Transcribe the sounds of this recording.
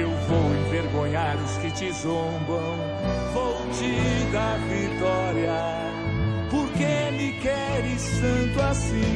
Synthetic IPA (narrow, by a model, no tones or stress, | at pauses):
ewvowẽveɾɡõɲaɾʊskɪt͡ʃɪzõbɐ̃w̃ | fowt͡ʃid̪ɐvit̪ɔɾjɐ | poɾkemɪkɛɾɪst̪ɐ̃t̪ʊasĩ